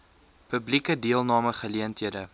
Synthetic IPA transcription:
pəblikədiəlˠnɑːməχəliəntɦiədə

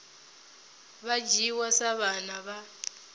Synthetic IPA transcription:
βad͡ʒiwasaβanaβa

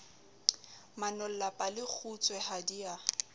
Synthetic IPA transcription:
manɔl̩lapʼalɪk͡xʰut͡sʼwɛhadia

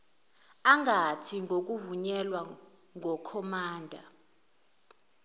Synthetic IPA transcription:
aŋatʰiŋok̬uvuɲɛlwa | ŋɔkʰɔmaːndʱa̰

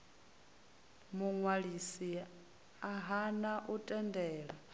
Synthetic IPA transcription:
muŋwaɺisi | aɦanaʔutʼɛndɛːɺa

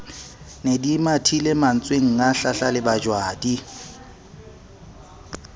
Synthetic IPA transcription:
nedimatʰilɪman̩t͡sʼweŋ̩ŋaɬaɬalɪbad͡ʒwaːdi

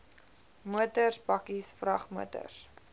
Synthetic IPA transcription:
muətərsbɐkisfrɐχmuətə̰rs

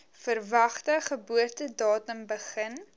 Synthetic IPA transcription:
fərvɐχtəχəbuərtədɑːtəmbəχən

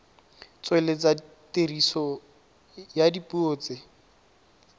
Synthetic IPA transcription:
t͡swelet͡sa | terisɔ | jadipuoːt͡sɪ

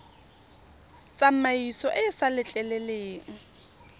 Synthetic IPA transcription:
t͡sʼam̩maisɔʔɪsalɪt͡ɬʼɛlɛleːŋ̩

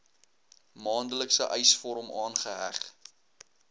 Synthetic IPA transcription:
mɑːndələksəʔɛjsfɔɾmʔɑːnχəɦæ̰χ

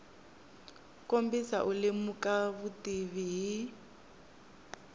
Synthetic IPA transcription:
kombisa̰ʔulɪmukʼaβutiβiɦi

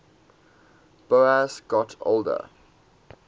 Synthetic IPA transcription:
b̥oasɡ̥ɔtʰo̰ʊldə̰

